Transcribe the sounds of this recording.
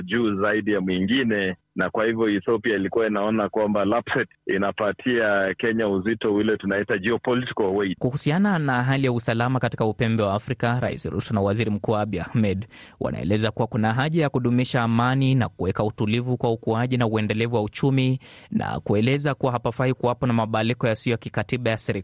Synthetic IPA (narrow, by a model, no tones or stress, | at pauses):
ʄuːzaiɗijamwiŋɡinɛ | nakwahivjɔiθɔpiailikuwainaɔnakwambalapsɛtinapatʰiakɛɲauzitɔwilɛtunaitad͡ʒiɔpɔliti̥kɔwɛkuhusiananaɦalijausalamakati̥kaupɛmbɛwaːfɾikaɾa̰ḭsiɾṵsɔnawaziɾim̩kuaaɓiahmɛɗwʔa̰na̰ɛ̰lɛzakuwakunaɦaʄajakuɗumiʃaːmanina̰kuwɛkautulivukwaukuaʄinauɛndɛlɛvuwaut͡ʃumina̰kuɛlɛzakuwaɦapafaikuwapɔnamaɓaːlikɔjasijɔjakikatiɓajasɛɾi